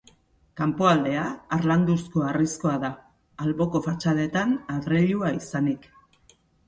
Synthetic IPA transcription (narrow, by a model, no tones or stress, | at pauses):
kampo̞ald̪e̞aːɾland̪usko̞arisko̞aðaː | lβo̞ko̞fat͡ʃale̞t̪anaðɾeʎuaisanik